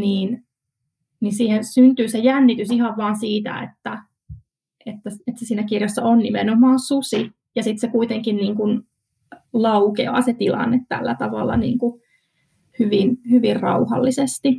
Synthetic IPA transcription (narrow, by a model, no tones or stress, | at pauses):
niːn | ninsiːhensynt̪yːsejænːit̪ysihɑʋʋɑːnsiːt̪æ̰ḛt̪ːæ | et̪ːæset̪sesiːnækirjosːɑonnimḛnomɑːnsusi | jɑsit̪sekuit̪eŋkinniːŋkun | lɑukḛɑ̰ːset̪ilɑ̰nːet̪tæ̰lːæt̪ɑʋɑ̰lːɑ̰nḭːŋku | hyʋinhyʋirrɑ̰uhɑ̰lːisest̪i